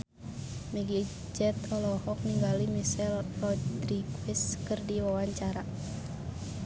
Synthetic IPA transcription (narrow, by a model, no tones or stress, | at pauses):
mɛɡi | d͡ʒɛt̪ɔlɔhɔk̚niŋɡalimisɛlrɔdɾiɡwiskɨrdiwawaɲt͡ʃaɾa